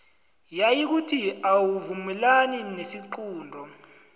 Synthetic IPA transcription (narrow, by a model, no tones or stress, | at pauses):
jajik̬utʰiawuvumɛlaninesiǃuːndʱɔ